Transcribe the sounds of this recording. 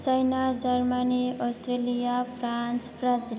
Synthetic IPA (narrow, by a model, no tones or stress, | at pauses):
t͡sajnad͡zʌrmaniɔst̪relijapʰransbrazil